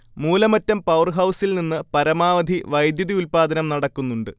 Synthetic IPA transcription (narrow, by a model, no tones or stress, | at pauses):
muːlɐmɐtːɐmpɐwrɦɐwsilninːɨpɐɾɐmaːʋɐd̪ʱiʋɐjd̪juðiulpaːd̪ɐnɐmnɐɽɐkːunːuɳɖɨ